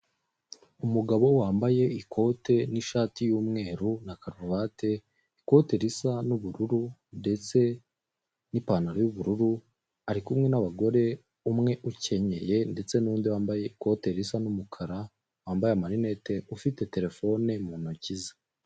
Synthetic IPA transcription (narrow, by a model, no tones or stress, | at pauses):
umuɡaβo̞waːmbaje̞ikʰo̞te̞niʃaːtijuːmŋe̞ːɾunakaɾuɾuβaːte̞ | iko̞te̞ɾisanuβuɾuɾunde̞t͡se̞ | nipaːnaɾojuβuɾuɾu | aɾikumŋe̞naβaɡo̞ɾe̞ | umŋe̞ʔuce̞ɲe̞je̞nde̞t͡se̞nundiwaːmbaje̞iko̞te̞ɾisanumukʰaɾa | waːmbajeamaɾine̞te̞ufite̞te̞ɾe̞fo̞ne̞munuciza